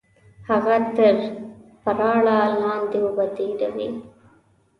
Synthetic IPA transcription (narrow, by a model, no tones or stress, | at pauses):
hɐɣɐt̪ɐɾpɐɾaːɭaːlaːnd̪iubɐt̪iːɾɐʋi